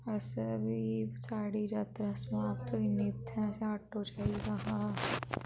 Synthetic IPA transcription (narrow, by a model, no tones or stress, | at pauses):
ɐsəbʱisaːɽid͡ʒat̪ɾɐsm̃aːp̚t̪oinit̪ʰɦɛ̃seaːʈːot͡ʃaːiɡaɦã